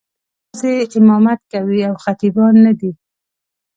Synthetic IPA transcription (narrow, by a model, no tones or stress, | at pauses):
seɪmɑmat̪̚kawiawxat̪ibɑnːad̪i